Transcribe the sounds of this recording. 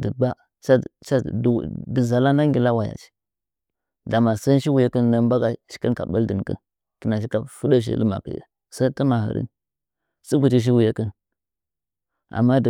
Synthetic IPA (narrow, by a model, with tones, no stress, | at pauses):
də˨ba˦ | t͡ʃa˦˨t͡ʃa˦˨də˨za˨la˦na˦ŋɡʲi˨la˦wa˨ja̰˨t͡ʃi̥˦ | da˨ma˨sa˦ʃi˦wu˨ja˦kə˦nna˦ba˦ɡa˦ʃi̥˦kə˦nka̰˨ɓə˦ldə˨n˨kə̰˦n | ki˨na˨ʃi˦ka˦fu˦də˦ʃ̬ḭ˦˨lə˦ma̰˨kḭ˨jə̰˨ | sa˦ti˦ma˨hə̰˨ɾḭ˦n | su˦ɡu˨t͡ʃi˦ʃ̬i˦wu˨ja˦kə˦n | a̰˨mːa˦d